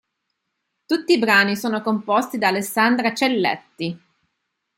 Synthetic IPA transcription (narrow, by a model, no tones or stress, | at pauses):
t̪ut̪ːiːbɾaːnisoːnokompɔst̪id̪aːlesːand̪ɾat͡ʃelːɛ̰t̪ːi